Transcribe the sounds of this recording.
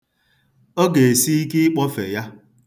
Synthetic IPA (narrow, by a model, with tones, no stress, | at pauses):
o˦ɡe˨e˨si˦i˦ki˦k͡pɔ˦fe˨ja˦